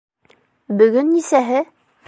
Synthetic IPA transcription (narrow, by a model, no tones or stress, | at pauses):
bɵ̆ɡɵnːisæɦɘ